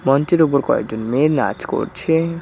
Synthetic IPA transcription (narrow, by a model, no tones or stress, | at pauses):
mɔnt͡ɕeɾupoɾkɔ̰ḛk̚d͡ʑonmena̰t͡ɕko̰ɾt͡ɕʰe